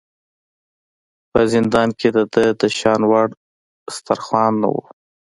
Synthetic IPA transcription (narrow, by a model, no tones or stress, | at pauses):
pəzɪnd̪ɑnkʰed̪əd̪əd̪əʃɑnwaɽ | st̪aɾxwɑnːa̰wṵ